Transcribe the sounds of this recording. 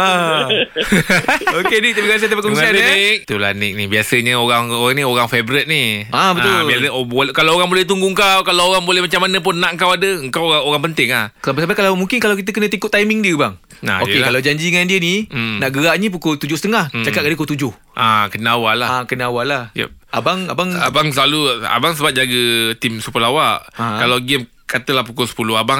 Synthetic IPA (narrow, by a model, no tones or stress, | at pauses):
a | okenit̪ibəɡas̬ət̪əpakomiaak̚t̪ula̰nɪk̚nibiasəɲəoɣaŋoɣaŋnioɣaŋfebɾət̪̚niabət̪ʊliabokalawoɣaŋbolɛht̪uŋɡuŋkawkalawoɣaŋbolɛhmat͡ʃamːanə̃p̬ʊnːaʔŋkawadəəŋkawaoɣaŋpənt̪ɪŋlahsabasabakalawmuŋkɪnkalawkit̪̬əkənə̃t̪ikʊt̪ːajmɪŋdiəbaŋ | na̰okekalawd͡ʒaɲd͡ʒiəŋandiəninaʔɡəɾaʔnĩp̬ukʊlt̪ud͡ʒʊsət̪əŋaht͡ʃakat̪̚kadəkolt̪ud͡ʒʊh | ʔakənəawalaakənaawalahja̰abaŋa̰baŋabaŋs̬əlalua̰baŋsəbap̚d͡ʒaɡət̪imsupəlawaʔakalawɡɛm | kat̪əlahpukɔlsə̥pulʊɦabaŋ